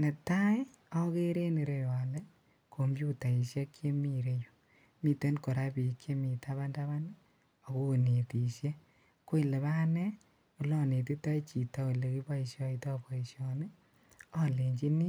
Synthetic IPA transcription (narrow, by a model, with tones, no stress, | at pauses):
ne˨ta˦ | ɔ˦ke˦ɾe˦ni˨ɾe˨wa˨lɛ˦ | kʰo˨mbju˦ta˨i˨ʃjɛ˦kt͡ʃe˦mi˨ɾe˨jo˨ | mi˦te˦nko˨ɾa˦pi˨kʰe˦mi˨tʰa˦βa˦nda˦βa˦n | ɔ˨ko˦˨ne˨ti˨ʃje˦ | ko˦i˨le˨βa˦nɛ˦ | o˦lɔ˦ne˨ti˦ta˦i˦t͡ʃi˨tɔ˦˨le˨ki˦bɔ˦i˨ʃjɔ˧itɔ˦pɔ˨i˨ʃjɔ˨ne˦ | ɔ˦le˨ɲd͡ʒi˦ni˦